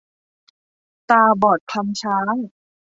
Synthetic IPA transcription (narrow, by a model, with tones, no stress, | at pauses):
t̪aː˧bɔː˨˩t̪̚kʰa˧mt͡ɕʰaː˦˥j